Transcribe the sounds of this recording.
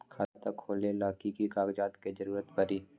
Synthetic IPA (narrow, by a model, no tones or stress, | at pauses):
kʰat̪əkʰːoːlelaːkikikaːɡd͡ʒaːt̪ked͡ʒɐɾuːɾət̪bəɾiː